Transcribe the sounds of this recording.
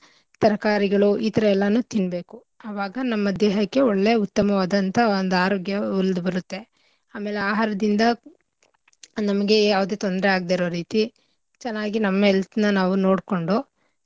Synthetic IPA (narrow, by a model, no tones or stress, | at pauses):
t̪ɐɾɐkaːɾiɡɐɭuʔit̪ɐɾɐɛlːɐnuːt̪inbe̞ːku | ɐʋaːɡɐnɐmːɐd̪ɛːɦɐkːe̞ɔɭːe̞ut̪ːɐmɐʋaːd̪ɐnt̪ɐond̪aːɾoːɡjɐuld̪bɐɾut̪ːe̞ | aːme̞ːleaːɦaːɾɐd̪ind̪ɐ | nɐmɐɡe̞jaːʋɐd̪eːt̪o̞nd̪ɾeaːɡd̪eːɾo̞ːɾiːt̪i | t͡ʃɛnːaːɡinɐmːɐelsnɐnaːʋuno̞ːɽko̞ɳɖu